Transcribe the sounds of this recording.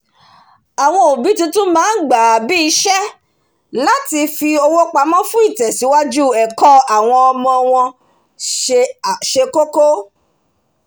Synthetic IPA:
a˨w̃ɔ̃˧o˨bi˨˦tĩ˧tũ˦mãː˦n̩˦ɡ͡ba˨bi˦i˧˦ʃɛ˦ | la˦ti˧fi˧o˧wo˦k͡pa˧˦mɔ̃˦fũ˦i˦˨tɛ˨si˨˦wa˦d͡ʒu˦˨ɛ˨kɔ˦a˨w̃ɔ̃˧ɔ˧mɔ̃˧w̃ɔ̃˧ | ʃe˨ʃe˧ko˦ko˦

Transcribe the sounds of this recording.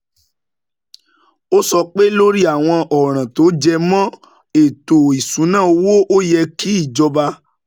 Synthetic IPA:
o˦sɔ˧k͡pe˦lo˦ɾi˦a˦˨w̃ɔ̃˧ʔɔ˨ɾ̃ã˨to˨˦d͡ʒɛ˧mɔ̃˦ | e˨to˨i˨sũ˨˦nãː˦˨o˧wo˦ʔo˦jɛ˧kʰi˦i˦˨d͡ʒɔ˧ba˧

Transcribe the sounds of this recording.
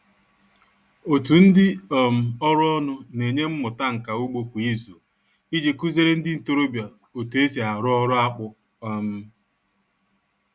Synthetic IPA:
o˨tu˨n̩˦dɪ˦o˨m̩˨ɔ˦ɾʊ˦ɔ˦nʊ˦ne˨ɲe˦m̩˦mʊ˨ta˦ŋ̩˨ka˨u˦ɡ͡bo˦kʷi˨i˦zu˨ | i˦d͡ʒe˨ku˦ze˦ɾe˦n̩˦dɪ˦n̩˨to˦ɾo˦bja˨ | o˨tu˨e˦si˨a˨ɾʊ˦ɔ˦ɾʊ˦a˦k͡pʊ˦ | a˦m̩˦

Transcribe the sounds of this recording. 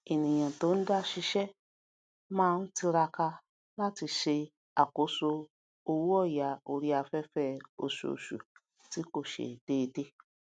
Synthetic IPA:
i˨nĩ˨j̃ã˨to˨˦n̩˦da˦ʃi˧ʃɛ˦ | mãː˦˧n̩˦ti˧ɾa˧ka˧ | la˦ti˧ʃe˧ | a˨ko˨˦so˧ | o˧wu˦ɔ˦˨ja˨˦o˧ɾi˦a˧fɛ˦fɛ˦˨o̰˨ʃu˨o̰˨ʃṵ˨ | ti˨˦ko˦˨ʃḛ˨d̥eː˦˧de˦

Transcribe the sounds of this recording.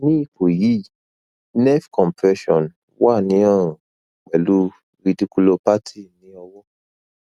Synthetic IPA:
nĩ˦i˦˨ko˨ji˨˦ | nɛ˦fkɔ̃˨mpɛ˧ʃɔ̃˨n | wa˦˨nĩ˨˦ɔ˦˨ɾũ˨ | k͡pɛ˨lu˦ | ɾi˧di˦ku˦lo˧pa˦tʰi˦˨nĩ˨˦ɔ˧wɔ˦

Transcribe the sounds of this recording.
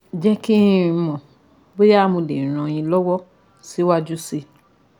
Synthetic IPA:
d͡ʒɛ˦ki˦˧˦mɔ̃˨ | be˦ja˦˨˦mũ˧lẽ˨ɾ̃ɔ̃˨j̃ĩ˧lɔ˦wɔ˦ | si˨˦wa˦d͡ʒu˦si˧

